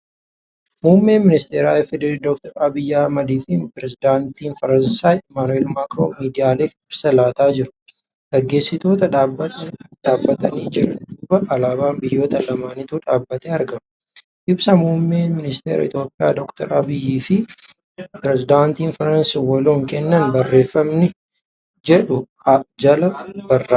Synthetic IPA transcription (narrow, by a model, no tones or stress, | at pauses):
muːmːe̞ːmɪnɪst̪eːɾaːɛfɛd̪ɛɾiːd̪ɔk̚t̪ɐɾɐbɪjːahɐmɐd̪iːfɪpɪɾɛzɪd̪aːnt̪iːnfɐɾɐnsaːjɛmaːnʊeːlmaːkɾo̰ːmiːd̪ɪjaːleːfɪbsɐlaːt̪aːd͡ʒɪɾʊ̥ | ɡ̥ɐɡːe̞ːsːɪt̪o̞ːt̪ɐᶑaːbɐᶑaːbːɐt̪ɐniːd͡ʒɪɾɐ̰d̪uːbɐʔɐlaːbaːmbɪjːo̞ːt̪ɐlɐmaːnɪt̪uːᶑaːbːɐt̪eːɐɾɡɐm | ʔɪbsɐmumːeːmɪnɪst̪eːɾɐ̰ɪ̰t̪jo̞ːpʼːɪja̰ːd̪ɔkt̪ɐɾɐbɪjːiːfɪ | pɾɛzɪd̪aːnt̪iːnfɐɾɐnsiwɐloːŋkɛnːɐnbɐrːe̞ːfːɐmnɪ | d͡ʒɛᶑʊ | d͡ʒɐlɐbɐrːaː